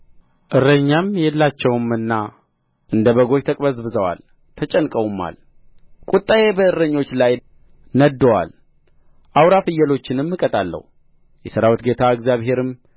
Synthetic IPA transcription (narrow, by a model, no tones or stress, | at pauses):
ʔɨrːəɲːamjɛlːat͡ʃːɛwmɨnːa | ʔɨnd̪əβəɡo̞t͡ʃt̪ʰəkʼbəzbɨzəwa̰l | t̪ʰət͡ʃʼɛnkʼəwumːa̰l | kʼut̪ʼːajebəɨɾːəɲːo̞t͡ʃːlaj | nəd̪ːəwa̰l | ʔawɾafɨjːɛlo̞t͡ʃːɪnɨmːɨkʼət̪ʼalːə̰hu | jɛsɨɾawut̪ɡe̞t̪ʰaɨɡzjaβɦe̞ɾɨm